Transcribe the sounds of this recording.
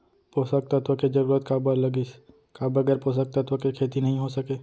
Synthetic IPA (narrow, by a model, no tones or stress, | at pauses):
poːsək̚t̪ɐt̪ʋəked͡ʒɐɾuːɾət̪kabəɾlɐɡis | kabəɡɛːɾposək̚t̪ət̪ʋəkekʰeːt̪inɐɦĩɦosɐkeː